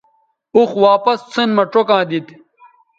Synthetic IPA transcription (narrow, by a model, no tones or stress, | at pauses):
uxwaːpɐst͡sʰenmɐʈ͡ʂokãːd̪it̪